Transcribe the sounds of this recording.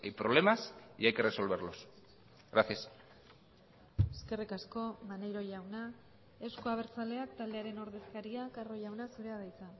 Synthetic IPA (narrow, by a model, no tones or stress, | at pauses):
ejpɾoβle̞masḭajke̞reso̞lβ̞eɾlo̞s | ɣɾaθias | eske̞rikasko̞manejɾo̞ʝawna | e̞skoaβe̞ɾt͡sale̞akt̪ald̪e̞aɾe̞no̞ɾðe̞skaɾiakaro̞jawnasuɾe̞aðajt͡sa